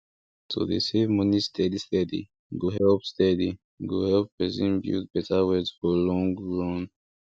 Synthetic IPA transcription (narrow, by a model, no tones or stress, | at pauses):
tʰṵðḭsevmunistʰɛdistɛdḭ | ɡoɦɛlpstɛdi | ɡohɛlpːɹɛzḭ̃nbjṵt̚bɛtʰawɛdzfɔlɔ̃ŋɹɔ̃n